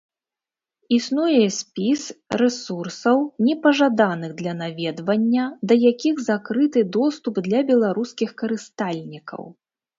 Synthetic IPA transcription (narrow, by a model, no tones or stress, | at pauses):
isnujɛsʲpʲisrɛsursɐwnʲɛpɐʐad̪anɨɣd̪lʲɐnavʲɛd̪vɐnʲːɐd̪ɐjakʲiɣzakɾɨt̪ɨd̪ɔst̪upd̪lʲɐbʲɛlˠaɾuskʲixkɐɾɨst̪alʲnʲikɐ̰w